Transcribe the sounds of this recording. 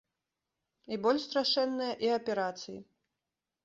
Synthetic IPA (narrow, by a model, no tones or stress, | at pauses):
ibɔlʲʃst̪ɾaʂɛnːɨjɐʔiɐpʲɛɾat̪sɨjḭ